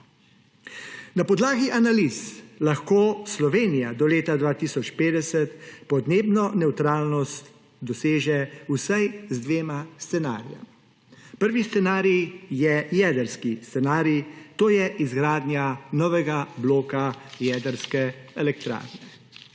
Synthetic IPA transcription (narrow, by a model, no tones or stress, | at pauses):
napɔd̪laːɡiʔanalislaxkoːslɔʋeːnijad̪ɔleːt̪ad̪ʋaːt̪iːsɔt͡ʃpeːd̪ɛsɛt̪pɔd̪neːbnɔnɛwt̪ɾaːlnɔst̪ | d̪ɔseːʒɛusajzd̪ʋeːmast̪sɛna̰ːɾija̰m | pəɾʋist̪sɛnaːɾijɛjɛːd̪əɾskist̪sɛnaːɾit̪oːjɛʔizɡɾaːd̪njanɔːʋɛɡabloːkajɛːd̪əɾskɛɛlɛkt̪ɾa̰ːɾnɛ